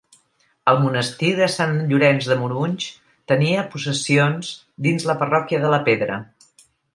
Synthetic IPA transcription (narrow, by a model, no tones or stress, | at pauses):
əlˠmunəst̪iðəsanʎuɾɛnzðəmuɾuɲʲt͡ʃ | t̪əniəpusəsionz | d̪inzləpərɔkiəðələpeðɾə̰